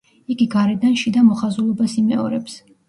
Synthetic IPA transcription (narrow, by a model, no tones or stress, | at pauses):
iɡiɡaɾɛd̪anʃid̪amɔχazulˠɔbasimɛ̰ɔɾɛps